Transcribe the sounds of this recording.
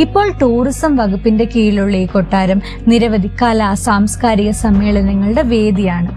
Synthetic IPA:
ipːo̞ːɭʈuːrisɐmʋɐɡupːinde̞kiːɭuɭːekoʈːaːɾɐm | niɾɐʋɐd̪ʱikːaːlɐːsaːmskaːɾiɣɐsɐmːe̞ːɭɐnɐŋːɐɭɨɽe̞ʋe̞ːd̪ijaːɳɨ

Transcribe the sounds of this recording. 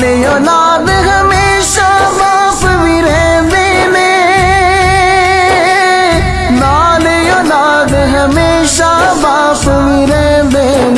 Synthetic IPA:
lejoːlaːd̪ɦəmeː | ʃabaː | s | ʋiɾɛɦ | d̪eː | ne | naː | lejoːlaːd̪ɦəmeːʃa | baːs | ʋiɾɛɦ | d̪eː | n

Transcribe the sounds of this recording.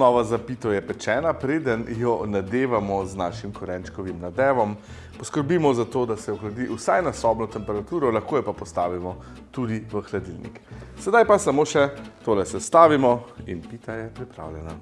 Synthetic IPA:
nɔʋazapit̪ɔjɛpɛt͡ʃɛːnapɾeːd̪ənjɔnad̪eːʋamɔznaːʃimkɔɾɛnt͡ʃkɔʋimnad̪ɛːʋɔm | pɔskəɾbiːmɔzat̪oːd̪asɛɔxlad̪iʔusajnasɔbnɔt̪ɛmpɛɾat̪uːɾɔlaxkoːjɛpapɔst̪aːʋimɔ | t̪ud̪iʋəxlad̪ilnḭksɛd̪ajpasamoːʃɛt̪oːlɛsɛst̪aːʋimɔinpit̪ajɛpɾipɾa̰ːwljɛna̰

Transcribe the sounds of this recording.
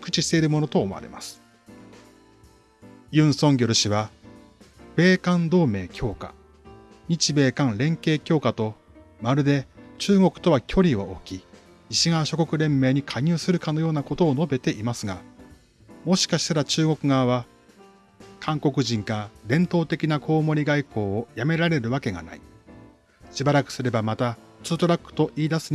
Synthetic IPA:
kɯ̟̥t͡ɕiɕt̪e̞iɾɯ̟mo̞no̞t̪o̞ːma̰ɾe̞̰mʔa̰sɨ̥ | jɯ̟̃ːɰ̃sõ̞ŋɡʲo̞ɾɯ̟ɕiβa | b̥e̞ːkãnd̪o̞ːme̞ːkʲʰo̞ːka̰ | ɲ̟it͡ɕibe̞ːkãnɾẽ̞ŋke̞ːkʲo̞ːkat̪o̞ | maɾɯ̟d̪e̞t͡ɕɨːɡo̞kɯ̟̥t̪o̞βakʲʰo̞ɾʲiβaokʲi | iɕiɡaβaɕo̞ko̞kɯ̟ɾẽ̞mːe̞ːɲ̟ikʰaɲʲɨːsɨɾɯ̟kano̞jo̞ːnako̞t̪o̞ːno̞be̞t̪e̞ʔimasɨɡa | mo̞ɕi̥kaɕi̥t̪aɾat͡ɕɨːŋo̞kɯ̟ɡaβa | kʰãŋko̞kɯ̟ʑĩŋkaɾẽ̞nt̪o̞ːt̪e̞kʲinakʰo̞ːmo̞ɾʲiɡaiko̞ːojame̞ɾaɾe̞ɾɯ̟βake̞ɡa̰na̰i | ɕibaɾakɯ̟̥sɨɾe̞bamat̪a | t͡sɨːt̪o̞ɾakːɯ̥t̪o̞ʔiːd̪asɨɲ

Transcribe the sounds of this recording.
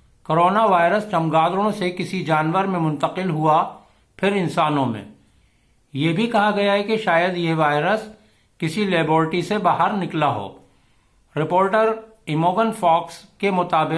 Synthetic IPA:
koːɾoːnaʋaːɪɾəst͡ʃɐmɡaːd̪ɾɽ̃õsekɪsid͡ʒaːnʋəɾmẽmʊ̃nt̪əqɪlɦua | pʰɪɾɪnsaːnõmḛ̃ | jebʱikɐɦaɡɐjaɦɛkeʃaːjəd̪jeɦʋaːɪɾəs | kɪsileːboːɾʈisebaɦəɾnɪklaɦo̰ː | ɾɪpoːɾʈəɾ | ɪmoːɡənfɔːkskemʊt̪aːbɪ

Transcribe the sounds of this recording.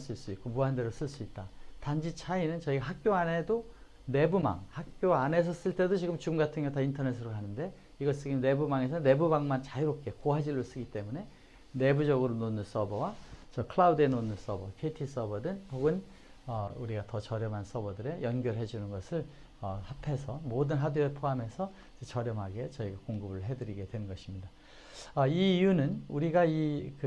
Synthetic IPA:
s͈uiɭs͈uik͈omuɦandeɾos͈ɯɭs͈uit̚t͈atand͡ʑit͡ɕʰainɯnt͡ɕʌiɡaɦak̚k͈joane̞do | ne̞buma̰ŋhak̚k͈joane̞s̬ʰʌs͈ɯɭt͈e̞dot͡ɕiɡɯmt͡ɕumɡatʰɯŋɦjʌtaintʰʌne̞s̬ʰɯɾokanɯnde̞ | iɡʌs͈ɯɡine̞bumaŋe̞sʰʌne̞bubaŋmant͡ɕaiɾop̚k͈e̞koɦad͡ʑilːos͈ɯɡit͈e̞mune̞ | ne̞bud͡ʑʌɡɯɾononːɯns͈ʌbʌwat͡ɕʌkʰɯɭaude̞nonːɯs͈ʌbʌkʰeitʰis͈ʌbʌdɯnpoɡɯn | ʌuɾiɡatʌt͡ɕʌɾjʌmɦans͈ʌbʌdɯɾe̞jʌnɡjʌɭɦe̞d͡ʑunɯnɡʌsʰɯɭ | ʌhapʰe̞sʰʌmodɯnɦaduepʰoɦame̞sʰʌ | d͡ʑet͡ɕʌɾjʌmɦaɡe̞t͡ɕʌiɡakoŋɡɯbɯɭɦe̞dɯɾiɡe̞dwe̞nnɡʌɕʰimɲida | ʌiːjunɯnuɾiɡaikɯ

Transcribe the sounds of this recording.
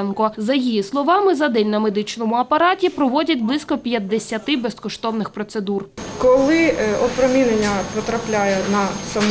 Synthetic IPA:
nkɔzɐjijislˠɔʋɑmɪzɐd̪ɛlʲnɐmed̪ɪt͡ʃnɔmʊɐpɐɾɑtʲipɾɔʋɔdʲɐt̚ʲblˠɪsʲkɔpʲjɐd̪ːesʲɐt̪ɪbɛskɔʃt̪ɔwnɪxpɾɔt̪sed̪urkɔlˠɪɔpɾɔmʲinenʲːɐpɔt̪ɾɐplʲajɛnɐsɐm

